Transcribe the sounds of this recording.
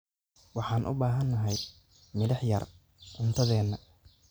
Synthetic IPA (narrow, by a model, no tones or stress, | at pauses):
wɑħɑːnʔʊ̰baːɦɐnːɐɦɛj | mɪlɐħjɐ̰r | ʕʊnt̪ʰɐðɛːnːɐ